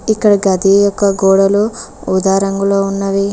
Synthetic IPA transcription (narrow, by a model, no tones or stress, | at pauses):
ikːɐɽɐɡɐd̪ijɔkːɐɡoːɽɐluud̪aːɾɐŋɡuloːunːɐʋi